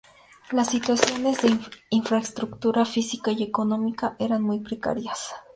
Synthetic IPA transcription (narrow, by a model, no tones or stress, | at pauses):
lasːit̪wasjonezd̪einfɾaest̪ɾukt̪uɾafisikaiekonomikaʔeɾanmujpɾeka̰ɾjas